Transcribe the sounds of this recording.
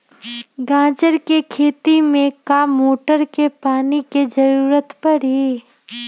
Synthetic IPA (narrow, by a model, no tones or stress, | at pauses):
ɡãːd͡ʒəɾkekʰeːt̪imẽkaːmːoːʈəɾkepaːniked͡ʒɐɾuːɾət̪pɐɽi